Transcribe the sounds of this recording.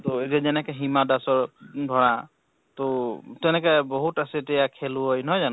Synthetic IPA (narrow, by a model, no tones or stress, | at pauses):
toetijazɛnɛkɛɦimadasɔɹdʱɔɹa | totɛnɛkɛbɔɦutasɛtɛjakʰeluɦɔjnɔjzan